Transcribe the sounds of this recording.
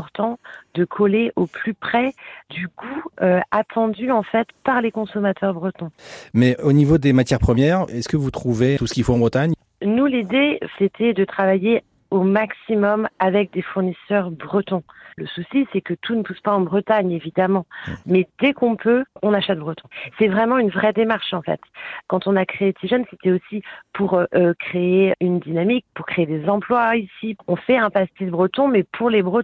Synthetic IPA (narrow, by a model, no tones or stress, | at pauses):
ɔʁt̪ɑ̃d̪əkʰɔleʔoplypχɛd̪yɡuøat̪ʰɑ̃d̪yɑ̃fɛt̪paʁlekɔ̃sɔmat̪ʰœʁbʁət̪ɔ̃mɛonivod̪emat̪jɛʁpχəmjɛʁɛskəvut̪χuvet̪usə̥kʲifõɑ̃bʁət̪aɲ | nulid̪eset̪ʰɛd̪ət̪χavaje | omaksimɔmavɛk̚d̪efuʁnisœʁbʁət̪ɔ̃ləsusisɛkət̪ʰunəpuspaɑ̃bʁət̪aɲevid̪amɑ̃mɛd̪̥ɛkɔ̃pʰøɔ̃naʃɛt̪̚bʁət̪ɔ̃sɛvʁɛmɑ̃ynvʁɛd̪emaʁʃɑ̃fɛ̰t̪kɑ̃t̪ɔ̃nakχet̪ʰiʒœnset̪ɛosipʰuʁʔøkχeeynd̪inamik̚puʁkχeed̪ezɑ̃plwaisiɔ̃fɛɛ̃past̪id̪bʁət̪ɔ̃mɛpʰuʁlebʁə̃